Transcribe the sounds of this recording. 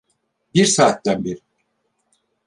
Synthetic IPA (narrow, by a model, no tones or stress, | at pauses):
biɾsaːt̪ːænbeɾi